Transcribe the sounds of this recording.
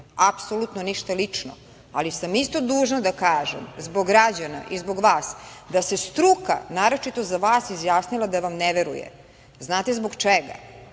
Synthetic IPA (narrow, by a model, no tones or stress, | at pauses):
apsolut̪noniʃt̪alit͡ʂno̰ | alisamist̪o̞d̪uːʒnad̪akaːʒḛmzbo̞ɡɾad͡ʑana̰ʔizbo̞ɡʋaːsd̪ase̞st̪ɾuka̰naːɾo̞t͡ʃit̪o̞zaʋaːsizjaːsnilˠad̪aʋamneʋeɾṵjḛ | znaːt̪ezbo̞ɡt͡ʃeɡa̰